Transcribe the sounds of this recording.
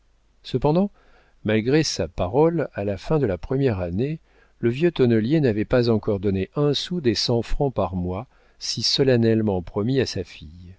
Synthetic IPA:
səpɑ̃d̪ɑ̃ | malɡʁesapaʁɔlalafɛ̃d̪əlapχəmjɛʁane | ləvjøt̪ɔnəljenavɛpazɑ̃kɔʁd̪ɔneʔɛ̃sud̪esɑ̃fχɑ̃paʁmwa | sisɔlanɛlmɑ̃pχɔmiasafij

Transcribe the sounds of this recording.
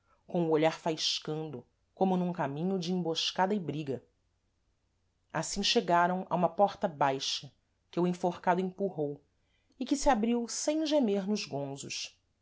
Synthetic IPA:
kõʊoʎaɾfajʃkɐ̃nd̪ʊ | kõmʊnũŋkamĩɲʊd͡ʒɪẽboʃkad̪ɐɪbɾiɡɐ | asĩʃeɡaɾɐ̃w̃ʔa̰ũmɐpɔɾt̪ɐbajʃɐ | kɪuẽfoɾkad̪ʊẽpuɦow | ɪkɪsɪabɾiwsẽj̃ʒemeɾnʊzɡõzʊʃ

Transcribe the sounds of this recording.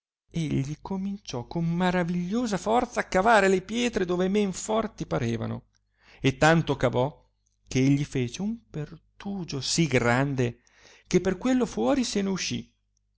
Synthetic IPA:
eʎːikomint͡ʃɔkːomːaɾaviʎːoːzafɔrt̪saːkːavaːɾelepjɛːt̪ɾed̪oːvemeɱfɔrt̪ipaɾeːva̰no̰ | et̪ːant̪okavɔ | keeʎːifeːt͡ʃeumpert̪uːd͡ʒosiɡɾand̪e | k̟epːerkwelːofwɔːɾiseneuʃːḭ

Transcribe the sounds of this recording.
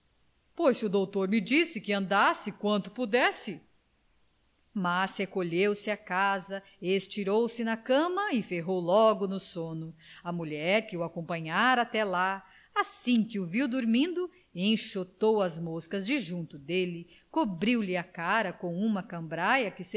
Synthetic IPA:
pojzʊd̪owt̪oɾmɪd͡ʒisɪkɪɐ̃nd̪asɪkwɐ̃nt̪ʊ̥pud̪ɛsɪ | mashekoʎewsɪakazɐ | est͡ʃiɾowsɪnɐkɐ̃mɐɪfeɦowlɔɡʊnʊsõnʊɐmuʎɛɾkɪʊakõpɐ̃ɲaɾɐat̪ɛla | asĩkɪʊviwd̪oɾmĩnd̪ʊ | ẽj̃ʃot̪owɐzmoskɐzd͡ʒɪʒũnt̪ʊd̪elɪ | kobɾiwlɪɐkaɾɐkõw̃ũmɐkɐ̃mbɾajɐkɪs

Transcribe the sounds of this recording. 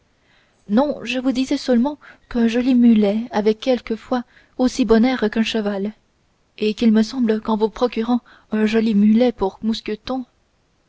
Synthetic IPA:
nɔ̃ʒəvud̪izɛsœlmɑ̃kɛ̃ʒɔlimylɛavɛkːɛlkəfwa | osibɔnɛʁkɛ̃ʃəval | ekilməsɑ̃bləkɑ̃vupχɔkʲyʁɑ̃ | ɛ̃ʒɔlimylɛpuʁmuskʲət̪ɔ̃

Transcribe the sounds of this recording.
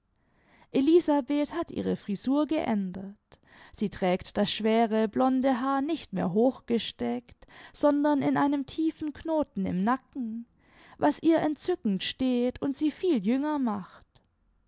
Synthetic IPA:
ʔeliːzabeːthatʔḭːʁ̞əfʁ̥izuːɐɡəʔɛndɐt | z̥iːtʁ̥ɛːktd̥asʃv̥eːʁəblɔndəɦaːɐnɪçtmḛːɐɦoːxɡ̥əʃtɛktz̥ɔndɐnɪnʔaɪnəmtʰiːfn̩knoːtn̩ɪ̰mnakŋ̩ | vasʔiːɐʔɛntt͡sʏkŋ̩tʃteːtʰʊntz̥iːfiːljʏŋɐmaχt

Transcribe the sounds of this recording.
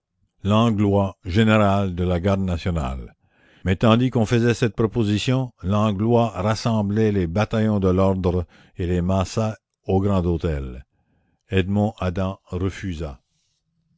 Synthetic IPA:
lɑ̃ɡlwaʒeneʁald̪əlaɡaʁd̪nasjɔna̰l | mɛt̪ɑ̃d̪ikɔ̃fəzɛsɛt̪̚pʁɔpozisjɔ̃lɑ̃ɡlwaʁasɑ̃blɛlebat̪ajɔ̃d̪əlɔʁd̪ʁ | elemasa | oɡʁɑ̃d̪ot̪ɛl | ɛd̪mɔ̃ʔad̪ɑ̃ʁəfyza

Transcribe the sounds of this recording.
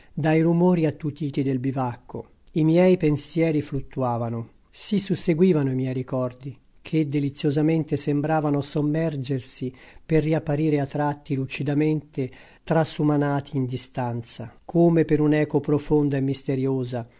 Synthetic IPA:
d̪ajrumoːɾiat̪ːut̪iːt̪id̪elbivakːo̰ | imjɛjpensjɛːɾiflut̪ːuaːvano | sisusːeɡwiːvanoimjɛjɾikɔrd̪i | kʰed̪ːelit̪sːjozament̪esembɾaːvanosomːɛrd͡ʒersiperːiapːaɾiːɾeat̪ːɾat̪ːilut͡ʃid̪ament̪e | t̪ɾasumanaːt̪ʰiːnd̪ist̪ant̪sa̰kʰoːmepeɾunɛːkopɾofond̪oemːist̪eɾjoːza

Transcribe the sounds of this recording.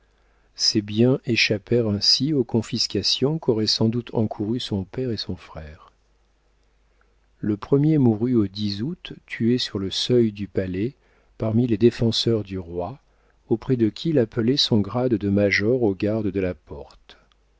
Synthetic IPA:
sebjɛ̃ʔeʃapɛʁɛ̃siokɔ̃fiskʲasjɔ̃kɔʁɛsɑ̃d̪ut̪ʰɑ̰̃kʰuʁysɔ̃pɛʁesɔ̃fχɛːʁ | ləpχəmjemuʁyod̪izut̪ːyesyʁləsœjd̪ypalɛ | paʁmiled̪efɑ̃sœʁd̪yʁwa | opχɛd̪əkʲilapəlɛsɔ̃ɡʁad̪ːəmaʒɔʁoɡaʁd̪d̪əlapɔʁt̪

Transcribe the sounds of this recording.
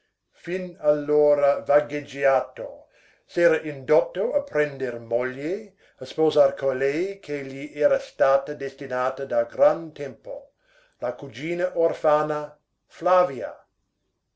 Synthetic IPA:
finalːoːɾavaɡed͡ʒiaːt̪o̰ | sɛːɾɐʔind̪ot̪ːoapɾɛnd̪ermoʎje | aspozarkʰolɛjkʰeʎiʔɛːɾast̪aːt̪ɐd̪est̪inaːt̪ɐd̪aɡɾant̪ɛmpo̰ | lakud͡ʒiːnɐʔorfaːna | flaːvjia̰

